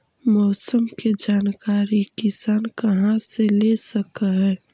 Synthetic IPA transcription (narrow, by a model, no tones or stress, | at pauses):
mɔːsəmked͡ʒaːnkaːɾikɪsaːnkɐɦãselesəkaɦɛ̃ː